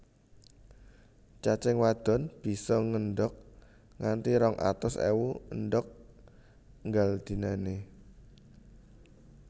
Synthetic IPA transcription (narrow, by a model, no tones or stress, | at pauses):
t͡ʃat͡ʃɛŋwad̪̥ɔ̤nb̥i̤sɔŋənɖɔk̚ | ŋant̪iɾɔŋʔa̰t̪ʊsḛwuənɖɔk̚ | ŋɡald̪̥i̤nane